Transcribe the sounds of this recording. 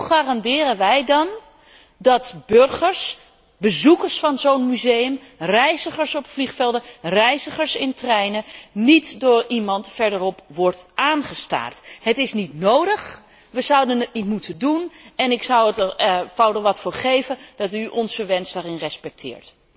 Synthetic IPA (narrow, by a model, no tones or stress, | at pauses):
χaːrɑndɪːrənʋɛjdɑn | dɑtbørχəɹs | bəzukəɹsfɑnzownmyzejəmrɛjzəχəɹsɔpfliχfɛlˠdərɛjzəχəɹsɪntrɛjnənitdʊːrimɑntfɛɹdərɔpʋɔɹtʔaːnχəsta̰ːrtɦətɪsnitnowdəχ | ʋəzʌwdənət̚nitmutʰədunɛnɪksʌwətfawdəʋɑtfʊːɹχejvəd̥ɑtyʔɔnzəʋɛnslarɪŋrɛspɛk̚tʰɪ̰ːɹt